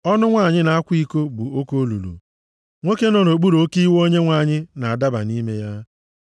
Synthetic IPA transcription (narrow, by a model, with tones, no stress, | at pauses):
ɔ˦nʊ˦ŋʷa˦˨ɲɪ˦na˨a˦kʷi˦ko˦bu˨o˦ko˦lṵ˨lṵ˨ | ŋʷe˦ke˦nɔ˨no˨ɡ͡bu˦ɾo˨˦ki˦wo˦ɲe˦ŋʷa˦˨ɲɪ˦na˨a˨da˦ba̰˨ni˦me˦ja˦